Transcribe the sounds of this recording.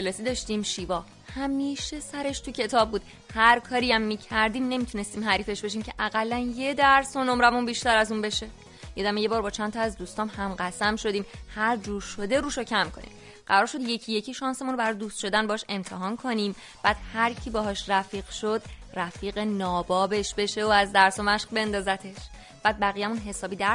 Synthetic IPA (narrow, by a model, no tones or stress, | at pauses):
elɒːsiːd̪ɒʃt̪iːmʃiːvɒː | hæmiːʃe̞sæɾe̞ʃt̪ʰucʰe̞t̪ʰɒːb̚ːuːd̪̥ | hæɾkʰɒːɾiæmːiːcʰæɾd̪iːmne̞mit̪ʰune̞st̪iːmɦæɾiːfe̞ʃbe̞ʃ̬iːmcʰeʔæɣælːænje̞d̪æɾsonomɾævunbiːʃt̪æɾæzuːnbe̞ʃe̞ | je̞d̪æmeje̞bɒːɾbɒːt͡ʃʰænt̪ʰɒæzd̪uːst̪ɒːmhæmɢæsæmʃo̞d̪iːmhæɾd͡ʒuːɾʃo̞d̪e̞ɾuːʃocʰæmkʰo̞̰nḭːm | ɢ̥æɾɒːɾʃo̞d̪je̞cʰije̞cʰiːʃɒːnse̞munɾobæɾɒːje̞d̪uːst̪ʃo̞d̪ænbɒːɔʃe̞mt̪ʰeɦɒːnkʰo̞niːm | b̥æːd̪̥hæɾcʰibɒɦɒːʃræfiːɣ̥ʃod̪ræfiːɣenɒːbɒːbe̞ʃbe̞ʃe̞oæzd̪æɾsomæʃqbe̞nd̪ɒːzæt̪ʰe̞ʃ | b̥æːd̪̚bæɣijæmunɦe̞sɒːbiːd̪æɾ